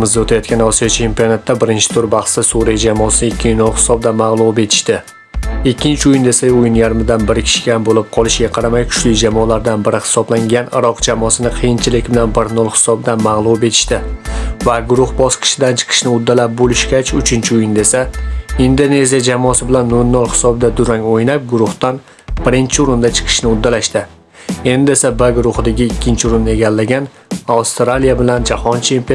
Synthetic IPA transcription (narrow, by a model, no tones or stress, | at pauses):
mɪzd̪aot̪ʰajɒt̪̚kʲanɒsijat͡ʃʰe̞mpionat̪ʰːabɪɾɪnt͡ʃʰɪ̥t̪ʰʊɾbɑχsɪsuɾijad͡ʒamɒsɪɪɪkʲːɪnolˠhɪ̥sɒb̚d̪amaʁlˠube̞t̪ʰɪ̥ʃt̪ɪ | ɪkʲːɪnt͡ʃʰɪʊjɪnd̪e̞saʊjɪnjaɾmɪd̪anbɪɾɪkʲʰɪ̥ʃɪ̥ɡʲanbolɪp̚qʰɒlˠɪʃɡʲaqʰɑɾamajkʰʊ̥ʃlɪd͡ʒamɒlaɾd̪anbɪɾɪhɪ̥sɒblaŋɡʲanɪ̰ɾɒqd͡ʒamɒsɪnɪqʰijɪnt͡ʃʰɪlɪkʲbɪlanbɪɾnolˠhɪ̥sɒb̚d̪amaʁlˠube̞t̪ʰɪ̥ʃt̪ɪvaɡʊɾʊhbɒsqʰɨ̥ʃɪd̪ant͡ʃʰɨ̥qʰɨ̥ʃnɪʊd̪ːalap̚bolɪʃkʲat͡ʃʊt͡ʃʰɪnt͡ʃʰɪʊjɪnd̪e̞saind̪one̞zijad͡ʒamːsɪbɪlanːoɾnolˠhɪ̥sɒbd̪ad̪ʊɾaŋojnap̚ɡʊɾʊht̪an | b̥ɪɾɪnt͡ʃʰɪʊɾɪnd̪at͡ʃʰɨ̥qʰɨ̥ʃnɪʊd̪ːalaʃt̪ɪ | e̞nd̪ɪe̞sabaɡʊɾʊhɪd̪aɡʲɪːkʲːɪnt͡ʃʰɪʊɾɪnːe̞ɡʲalːaɡʲan | awst̪ɾalijabɪland͡ʒahɒnt͡ʃʰempe